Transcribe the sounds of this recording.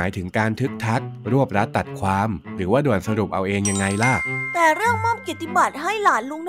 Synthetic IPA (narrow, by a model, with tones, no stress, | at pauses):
aː˩˦jt̪ʰɯ˩˦ŋkaː˧nt̪ʰɯ˦˥k̚t̪ʰa˦˥k̚ɾu˥˩əp̚ɾa˦˥t̪ːa˨˩t̪̚kʰwaː˧mɾɯː˩˦waː˥˩du˨˩ənsa˧ɾu˨˩p̚ʔa̰˧wʔeː˧ŋja˧ŋːa˧jla˥˩k̚t̪ɛː˨˩ɾɯ˥˩əŋmɔː˥˩p̚ki˨˩t̪ːi˧˩ba˨˩t̪̚ɦa˥˩jlaː˨˩˦nlu˦˥ŋn